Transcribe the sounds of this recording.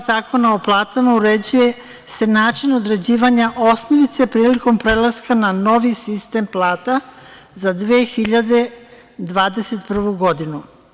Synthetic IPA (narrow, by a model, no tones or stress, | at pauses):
zaːko̞naoplˠaːt̪amauɾe̞d͡ʑuje̞ | se̞naːt͡ʃino̞d̪ɾe̞d͡ʑiːʋaɲaʔo̞snoʋit̪sepɾiːliko̞mpɾe̞lˠaskanano̞ʋisist̪e̞mplˠaːt̪a | zad̪ʋeːxiʎad̪e̞ | d̪ʋaːd̪e̞se̞t̪pr̩ʋuɡo̞d̪inu